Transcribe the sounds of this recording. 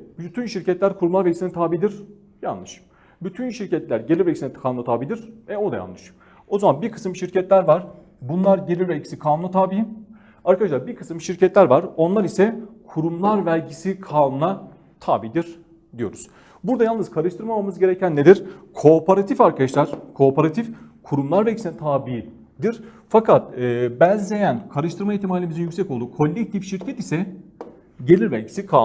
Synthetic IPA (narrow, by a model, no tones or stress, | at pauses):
byt̪ʰynʃiɾcʰɛt̪lʲæɾkʰuɾumlˠaɾvɛlʲɟisinɛt̪ʰaːbiːd̪iɾ̥ | ja̰nlɯʃ | byt̪ʰynʃiɾcɛt̪lʲæɾɟelʲiɾvɛlʲcisinɛkʰalˠmuat̪ʰaːbiːd̪iɾ̥ɛo̞d̪aja̰nˠɯʃ | o̞zamanbiɾkʰɯ̥sɯmʃiɾcɛt̪lʲæɾvaɾ̥ | bunlˠaɾɟelʲiɾvɛlʲcʰi̥sikʰaːnunat̪ʰaːbi | aɾkʰad̪aʃlˠaɾbiɾkʰɯsɯmʃiɾcɛt̪lʲæɾvaɾo̞nlˠaɾisɛkʰuɾumlˠaɾvælʲɟisikʰaːnunˠa | t̪ʰaːbiːd̪iɾ̥ | d̪ijo̞̰ɾuz̥ | buɾd̪ajalˠnɯz̥kʰaɾɯʃt̪ʰɯɾmamamɯzɟe̞ɾɛcʰænːed̪iɾkʰo̞paɾat̪ʰifaɾkʰad̪aʃlˠaɾ̥kʰo̞ːpʰaɾat̪ʰifkʰuɾumlˠaɾvɛælʲɟʲisinɛt̪ʰaːbi | d̪iɾfakʰat̪̚ɯːbænzlʲe̞jænkʰaɾɯʃt̪ʰɯɾmaiht̪ʰimaːlʲimizinjycsɛcolˠd̪uːkʰo̞lʲːɛc̚t̪ʰifʃiɾcʰɛt̪isɛ | ɟe̞lʲiɾvælʲɟi̥sikʰa